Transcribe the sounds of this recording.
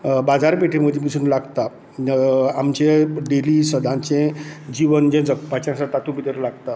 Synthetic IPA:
bad͡zaɾpeʈʰeməd̪ʱĩp̬usuːnlaɡt̪a | amt͡ɕɛ̃ɖelisəd̪ʱãt͡sɛ̃d͡ʑiʋənd͡ʑɛ̃d͡zək̚pat͡ɕãsat̪at̪ʰũbit̪əɾlaɡt̪a

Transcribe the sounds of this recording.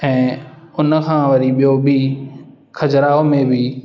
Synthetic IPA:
ɛ̃ːʊn̆kʰãːʋɐɾiɓijobɪ | kɐd͡ʑɾaːomẽbɪ

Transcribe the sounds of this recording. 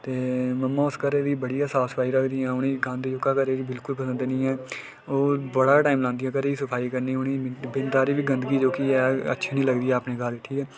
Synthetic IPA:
t̪eːməmːaːʊskəɾeːd̪iːbəɽijaːsaːfsə̥pʰaːiːɾəkʰd̪ijãːʊniːɡə̃nd̪d͡ʒʊkãːkəɾeːɾiːbɪlkʊlpəsə̃nd̪enĩːɛː | oːbəɽaːʈaːɪmlãːnd̪ijãːk̬əɾeːiːsəpʰaːiːkəɾniːʊniːbɪnd̪aːɾiːʋiːɡənd̪ɡiːd͡ʒoːkɪɛːə̰tːʃʰeːnĩːləɡd̪iːɛːəpneːɡəlɪʈʰːiːkɛː

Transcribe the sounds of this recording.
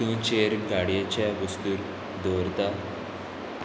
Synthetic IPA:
ũt͡ɕeɾɡaɽijet͡ɕaʋəst̪uːɾ | d̪oɾt̪a

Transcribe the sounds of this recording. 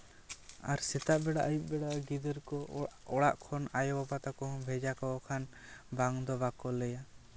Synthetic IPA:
a̰ɾsɛt̪aʔbɛɽaʔəjuʔ̪̚ˀbɛɽaɡid̪əɾkɔɔɽaʔkʰɔnajɔbɔpat̪akɔɦɔ̃bʱɛd͡ʒakɔɔkʰanbaŋd̪ɔbakɔlɛja

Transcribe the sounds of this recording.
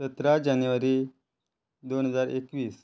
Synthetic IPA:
sət̪ɾad͡ʑanjuʋəɾi | d̪onɦəd͡zaɾekʋiːs

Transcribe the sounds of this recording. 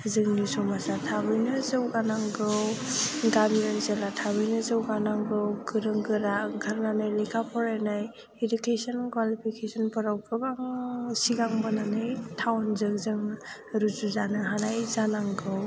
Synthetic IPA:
zɯŋnisɔmasatʰabɯjnɯzɯwɡanaŋɡɯwɡabiɾanzelatʰabɯjnɯzɯwɡanaŋɡɯwɡɯɾɯŋɡɯɾakʰaɾnanɯjlekʰapʰɔɾajnaj | edukesɔnkwalipʰikʰesɔnpʰɔɾawpʰɔbaŋsiɡaŋbɯnanɯjtʰawnzɯk̚zɯŋ | ɾuzuzanɯɦanajzanaŋɡɯw

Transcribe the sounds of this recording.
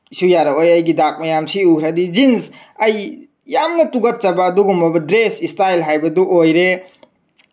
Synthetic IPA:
sujaɾɐojɐjɡidak̚mɐjamsiukʰɾadizins | ɐj | jamnɐtuɡɐt̚t͡ʃɐbɐːduɡumbɐbɐdɾesistajlɦajbɐduʔojɾe

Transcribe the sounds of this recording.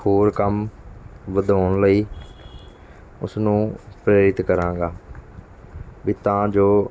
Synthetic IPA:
hoːɾkəm | ʋəd̪ʱoːɳləiː | ʊsnũːpɾeːɾɪt̪kəɾãːɡaː | bɪt̪ãːd͡ʒoː

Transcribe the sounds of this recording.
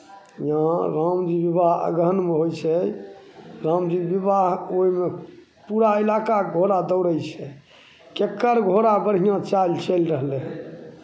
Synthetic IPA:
jãɾamd͡ʒibibaɦə̰ɡənmeɦojt͡ʃʰɛ | ɾamd͡ʒibibaɦoime | puɾailakaɡʱoɾad̪əʊɾəjt͡ʃʰɛ | kekəɾɡʱoɾabəɾ̤ijãt͡ʃalt͡ʃəlɾəɦleɦ

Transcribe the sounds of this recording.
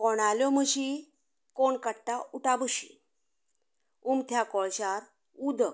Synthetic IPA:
kɔɽ̃aljɔm̤əɕi | koɳkəʈːauʈabuɕḭ | umt̪ʰjakɔɭɕaɾ | ud̪ə

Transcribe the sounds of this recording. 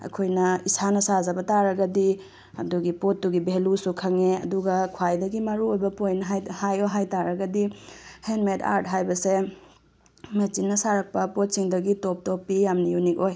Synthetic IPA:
ɐ̰kʰojnɐisanɐsazɐbɐtaɾɐɡɐdi | ɐ̰duɡipotːuɡibelusukʰɐŋeɐ̰duɡɐkʰwajdɐɡimɐɾuojbɐpojnɐɦajhajoɦajtaɾɐɡɐdihenmeta̰ɾtɦajbɐse | met͡ʃinːɐsaɾɐk̚pɐpot̚siŋdɐɡitop̚topːijamnijunik̚oj

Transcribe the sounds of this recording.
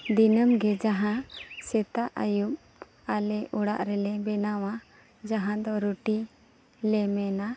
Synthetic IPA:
d̪inəmɡɛd͡ʒaɦãsɛt̪aʔa̰jum | alɛʔuɽa̰ʔɾɛlɛbɛnawa | d͡ʒaɦãd̪ɔɾuʈi | lɛmɛna

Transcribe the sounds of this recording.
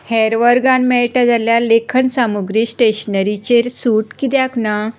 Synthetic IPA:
hɛɾʋəɾɡãnmɛɭʈad͡zaljalekʰənsamuɡɾisʈeɕnəɾit͡ɕeɾsuʈkid̪jakna

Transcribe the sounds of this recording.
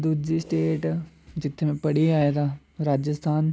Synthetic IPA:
d̪uːd̪d͡ʑiːsʈeːʈ | d͡ʑɪt̪ʰemẽpɐɽiaːet̪ʰaː | ɾaːd͡ʑəst̪ʰaːn

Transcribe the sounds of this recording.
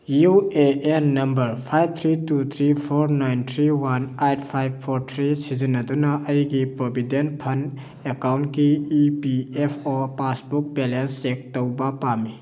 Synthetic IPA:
jueenːɐmbəɾpʰajb̚t̪ʰɾitut̪ʰɾipʰɔɾnajnt̪ʰɾiwanajʈʰpʰajb̚pʰɔɾt̪ʰɾisizinɐd̪unaʔəjɡipɾɔbidenpʰɐn | ekawnkiːpiepʰɔpasbuk̚belensek̚tɔwbapami

